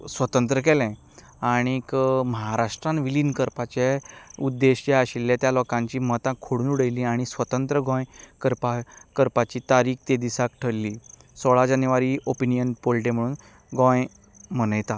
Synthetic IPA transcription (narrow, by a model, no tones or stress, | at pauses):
sʋət̪ənt̪̬ɾək̬ɛlɛ̃ | aɽ̃ikməɦaɾaʂʈɾãnʋilinkəɾpat͡ɕeud̪ːeɕeaɕilːɛ̃t̪jalɔkãɲt͡ɕiːmət̪ãkʰːoɽunuɽəjlĩaɽ̃isʋət̪ənt̪ɾəɡɔ̃jkəɾpakəɾpat͡ɕiːt̪aɾiːk̚t̪ed̪isakʈʰəlːi | sɔɭad͡ʑanjʋaɾiʔopinijənpolʈem̤əɽ̃uːn | ɡɔ̃j | mənəjt̪a